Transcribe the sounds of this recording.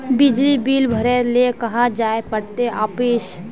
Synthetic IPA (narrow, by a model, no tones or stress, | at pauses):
bɪd͡ʒlibiːlbʱəɾeɾlekəɦad͡ʒaːepəɽt̪eʔaːpiːʃ